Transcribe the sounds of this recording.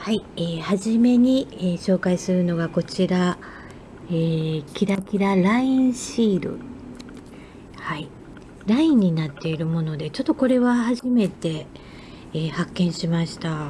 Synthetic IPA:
haieːhaʑime̞ɲ̟ieːɕo̞ːkaisɨɾɯ̟no̞ɡako̞t͡ɕiɾa | eːkʲiɾakʲiɾaɾaĩɰ̃ɕiːɾɯ̟̰ | hai | ɾaĩɲ̟ːinat̪ːe̞iɾɯ̟mo̞no̞d̪e̞t͡ɕo̞t̪ːo̞ko̞ɾe̞βahaʑime̞t̪e̞ː | hakːẽ̞ɰ̃ɕimaɕi̥t̪a

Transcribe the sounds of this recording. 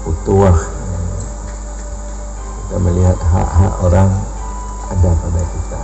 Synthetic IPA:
ut̪uah | kit̪aməliɦat̪̚ɦa̰ʔɦa̰ʔoɾaŋ | adakadakit̪a

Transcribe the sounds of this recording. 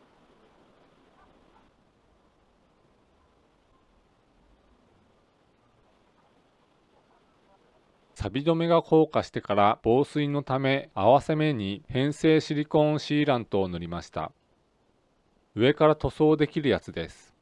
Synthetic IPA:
sabʲid̪o̞me̞ɡakʰo̞ːkaɕi̥t̪e̞kaɾab̥o̞ːsɨino̞t̪ame̞aβase̞me̞ɲ̟ihẽ̞ɰ̃se̞ːɕiɾʲikõ̞ɕiːɾãnt̪o̞ːno̞ɾʲimaɕi̥t̪a̰ | ɯ̟e̞kaɾat̪o̞so̞ːd̪e̞kʲiɾɯ̟jat͡sɨd̪e̞sɨ̥

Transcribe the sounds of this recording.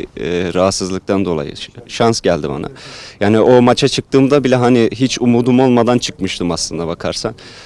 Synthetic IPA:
ɾaɦat̪sɯzlˠɯk̚t̪ʰand̪o̞lˠa̰jɯ̰ʃansɟælʲd̪iba̰na̰jaːniʔo̞mat͡ʃʰat͡ʃʰɯk̚t̪ʰɯːmd̪abilʲɛɦaniɦit͡ʃumuːd̪umo̞lˠmad̪ant͡ʃʰɯ̥kmɯʃt̪ʰɯmaslˠɯnd̪abakʰaɾsan

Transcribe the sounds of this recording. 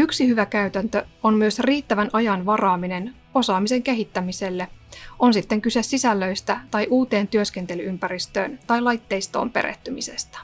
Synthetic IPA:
yksihyʋækæyt̪ænt̪øonmyøsriːt̪ːæʋænʔɑjɑnʋɑrɑːmine̞n | o̞sɑːmise̞ŋke̞ɦit̪ːæmise̞lːeo̞nsit̪ːe̞ŋkyse̞sisælːø̞jst̪æt̪ɑjʔuːt̪e̞ːnt̪yøske̞nt̪e̞lyympæɾist̪ø̰ːnt̪ɑjlɑjt̪ːe̞jst̪o̞̰ːmpe̞ɾḛht̪ːymise̞st̪æ̥

